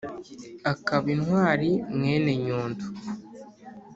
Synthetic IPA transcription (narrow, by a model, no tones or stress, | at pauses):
akaβinhwaːɾimŋeːne̞ɲuːndu̥